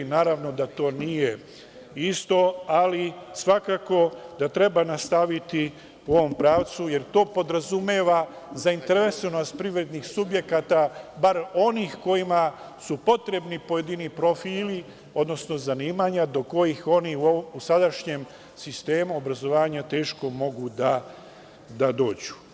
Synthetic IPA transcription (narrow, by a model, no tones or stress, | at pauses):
naːɾaʋno̞d̪at̪o̞ːnije | ist̪o̞alisʋakaːko̞d̪at̪ɾe̞banast̪aʋit̪i | uo̞ʋo̞mpɾaːʋt̪suje̞ɾt̪o̞ːpo̞d̪ɾazumeːʋa | zaint̪eɾʋesonost̪̚pɾiʋɾe̞d̪nixsubje̞kat̪abaɾo̞niːxko̞jima | supo̞t̪ɾe̞bnipo̞jed̪inipɾo̞fiːli | o̞d̪no̞sno̞zaniːmaɲad̪o̞ko̞jixo̞niuousad̪aʃɲe̞m | sist̪e̞ːmuobɾazo̞ʋaːɲat̪e̞ːʃko̞mo̞ɡud̪a | d̪ad̪o̞ːd͡ʑu̥